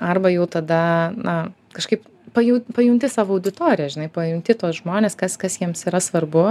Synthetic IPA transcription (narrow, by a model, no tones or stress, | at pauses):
ɐrbɐjɛʊt̪ɐd̪ɐnɐ | kɐʃkɐɪp | pɐjupɐjʊŋk̚t̪ʲɪsɑːʋoɐʊd̪ʲɪt̪oːɾʲɪjɛʒʲɪnɐɪpɐjʊŋk̚t̪ʲɪt̪oːsʒmoːnʲeːskɐskɐsjiɛmsiːɾɐsʋɐrbʊ